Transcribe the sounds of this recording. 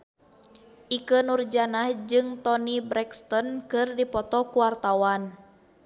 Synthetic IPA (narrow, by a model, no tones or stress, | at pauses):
ʔikənurd͡ʒanahd͡ʒɨŋt̪ɔnibɾɛkst̪ɔnkɨrdipɔt̪ɔkuwart̪awan